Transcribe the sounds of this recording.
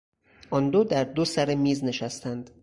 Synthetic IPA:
ʔɒnd̪od̪æɾd̪osæɾemiːzne̞ʃæst̪ʰænd̪̥

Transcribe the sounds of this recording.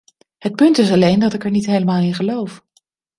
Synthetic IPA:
hət̚pɵntɪs̬ɑlejndɑtɪkɛɹnitɦejləmaːlˠɪnχəlowf

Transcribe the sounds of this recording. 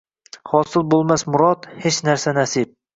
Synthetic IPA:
hɒsɪlˠbolˠmasmʊɾɒt̪het͡ʃnaɾsanasip̚

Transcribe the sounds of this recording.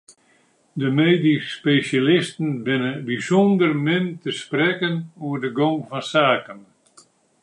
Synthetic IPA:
dəmeːdispeʃalɪstən̩bɪnəbisɔndərmɪntəsprɛkənuərdəɡoŋfɔnsaːkən

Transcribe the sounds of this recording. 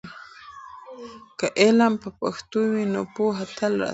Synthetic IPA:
kaʔelampapa̰xt̪ujminopuɦat̪alɾa̰

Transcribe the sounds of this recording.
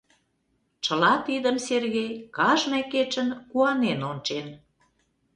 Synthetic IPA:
t͡ʃə̆lɑt̪id̪əmserɣejkɑʒmæket͡ʃə̆nkuɑnenont͡ʃen

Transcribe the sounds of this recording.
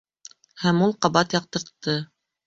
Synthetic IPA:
hæmulˠqɑβɑt̪jɑq̚t̪ɤ̆ɾt̪ːɤ

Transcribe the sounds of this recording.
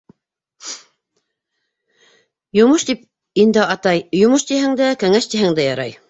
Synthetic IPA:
jŏmoʃt̪ip̚ | ind̪ɘɑt̪ɑjjŏmɤʃt̪ihɘŋd̪ækɘ̆ŋæʃt̪iɦɘŋd̪æjɑɾɑj

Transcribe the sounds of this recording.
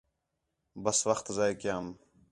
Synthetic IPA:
bɐswɐxt̪zaːjkiam

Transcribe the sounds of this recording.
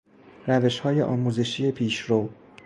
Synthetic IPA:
ɾæve̞ʃhɒːje̞̰ʔɒːmuːze̞ʃiːje̞pʰiːʃɾow

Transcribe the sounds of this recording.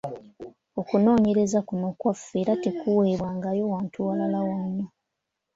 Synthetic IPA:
o̞kuno̞ːɲe̞ɾe̞zakunokwafːe̞ːɾate̞kuwe̞ːβwaːŋɡaːjo̞waːntʰuwalalawano

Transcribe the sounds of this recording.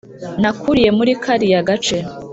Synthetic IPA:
nakʰuɾije̞muɾikʰaɾijaɡat͡ʃe

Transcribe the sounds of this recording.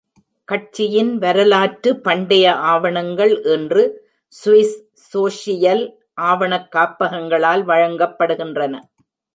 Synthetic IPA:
kɐʈ̚t͡ʃːɪjɪnʋɐɾɐlaːʈɯpːɐɳɖɐjɐʔaːʋɐɳɐŋɡɐɭʔɛndrɯ | sʊʋɪs | soːʂɪjɐl | ʔaːʋɐɳɐkːaːpːɐɣɐŋɡɐɭaːlʋɐɻɐŋɡɐpːɐɽɯɣɪndrɐnɐ

